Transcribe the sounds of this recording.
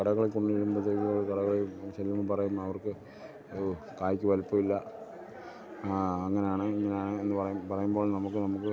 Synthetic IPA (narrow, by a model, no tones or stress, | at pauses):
kɐɽɐɣɐɭekoɳɖɨʋeɭːumprɐt̪ːeːiboːɭkɐɽɐɣɐɭet͡ɕelːɐmɨpɐrɐjumɐʋɐrkɨ | kaːjikʲːɨʋɐlipːɐʋilːɐ | ɐŋːɐnejaːɳɨiŋːɐne̞jaːɳɨe̞nːɨpɐrɐjumpɐrɐjumboːɭnɐmukːɨnɐmukːɨ